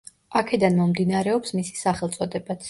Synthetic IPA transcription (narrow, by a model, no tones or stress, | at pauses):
akʰɛd̪anmɔmd̪inaɾɛɔpsmisi̥saχɛlˠt̪sʼɔd̪ɛbat̪sʰ